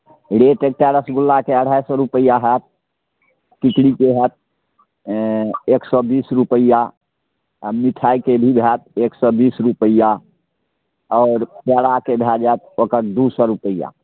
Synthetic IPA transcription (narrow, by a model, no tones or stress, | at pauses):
ɽeʈek̚ʈɛɾəsɡulːakeəɽ̤ajsɔɾupəjaɦɛt̪̚ | kikɽikeɦɛt̪̚ | eksɔbisɾupəija | miʈʰajkebʱibʱɛt̪̚eksɔbisɾupəijːa | ɔʊɾpɛɽakebʱɛd͡ʒɛt̪̚okəɾd̪usəɾupəija̰